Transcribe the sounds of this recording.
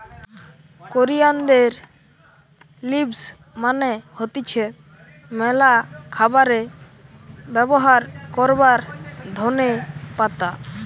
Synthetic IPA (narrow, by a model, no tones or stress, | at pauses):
koɾijand̪eɾ | libs | manehɔt̪it͡ʃʰɛ | mɛlakʰabaɾe | bɛbɔɦaɾkɔɾbaɾd̪ʱɔnepat̪a